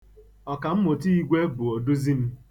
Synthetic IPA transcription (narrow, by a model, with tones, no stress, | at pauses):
ɔ˨ka˨m̩˦mo˨ti˦i˦ɡʷe˦bʊ˨o˨du˦zi˦n̩˦